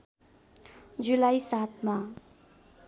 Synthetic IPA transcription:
d͡zulajsat̪ʰma

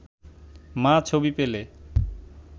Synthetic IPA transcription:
mãt͡ɕʰobipele

